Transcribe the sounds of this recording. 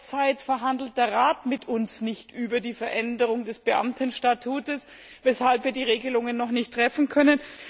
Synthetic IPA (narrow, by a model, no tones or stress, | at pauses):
t͡saɪtfɛɐɦandl̩t̚d̥eːɐʁaːtmɪtʊnsnɪçtʔyːbɐdiːfɛɐʔɛndəʁ̞ʊŋdɛsb̥əʔa̰mtʰənʃtatʰuːtəs | vɛshalpviːɐdiːʁ̞eːɡəlʊŋənːɔχnɪçtʁ̥ɛfn̩kʰœnən